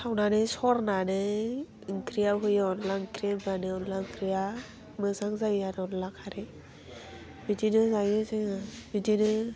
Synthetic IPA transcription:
sʰawnanɯsɔɾnanɯ | kɾijaɦɯjanlaŋkɾiabanɯɔnlakɾija | mɯzaŋzajanɔnlakʰaɾe | bidinɯzajɯsɯŋabidinɯ

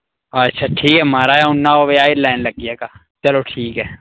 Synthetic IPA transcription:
ɐtːʃʰaʈʰiːkɛmaːɾaɛʊnːaoːʋeaːilaːɪnlɐɡiɛkaː | t͡ʃɐloʈʰiːkɦɛː

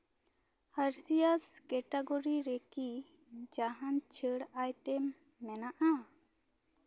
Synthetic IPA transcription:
hɐɾsijaskɛʈaɡoɾiɾeki | d͡ʒaɦãnt͡ʃʰəɽajʈɛmː | ɛnaʔa

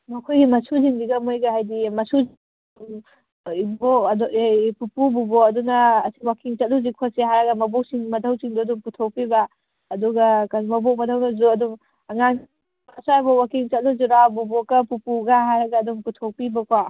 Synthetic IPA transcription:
mɐkʰojɡimɐsuziŋbiɡɐmojɡɐhajdimɐsuz | uŋ | ibodpupububoɐdunɐːsi̥wakiŋt͡ʃɐt̚luzikʰoseɦaɾɐɡɐmɐbok̚siŋmɐdʰʱɐwsiŋdɔɐduŋputʰok̚pibɐː | duɡɐkanmɐbok̚mɐdʰawnɐzuɐduŋ | ɐŋan | asabawakiŋt͡ʃɐt̚luzuɾawbubokɐpupuɡaɦaɾɐɡɐːduŋputʰok̚pibɐkwa

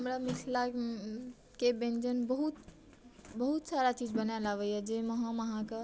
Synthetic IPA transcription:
ɦəmɾamisʰla | kebẽnd͡ʒənbəɦut̪̚ | bəɦut̪saɾat͡ʃid͡ʒbənaelaʋəjɛd͡ʒeməɦəməɦãke

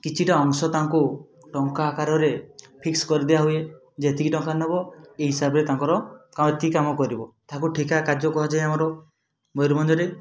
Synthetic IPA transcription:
kit͡ʃʰiʈaɔŋsɔt̪aɦŋku | ʈɔŋkaːkaɾɔɾepʰikskɔɾid̪ebaɦue | d͡ʒet̪ikiʈɔŋkanɔbɔeɦisabɾet̪aŋkɔɾɔkaet̪ikamɔkɔɾibɔt̪aɦkuʈʰikakad͡ʒɔkuɦad͡ʒajamɔɾɔ | mojɾɔmɔnd͡ʒɔɾe

